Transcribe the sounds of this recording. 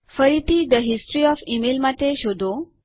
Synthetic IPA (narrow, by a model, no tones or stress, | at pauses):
fəɾit̪iːd̪əɦisʈɾiɔfimelmat̪eɕod̪ʱo